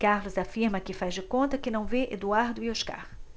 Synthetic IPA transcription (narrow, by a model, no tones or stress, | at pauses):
kaɾlʊzafiɾmɐkɪfazd͡ʒɪkõnt̪ɐkɪnɐ̃w̃veʔḛd̪uaɾd̪ʊioʃka̰χ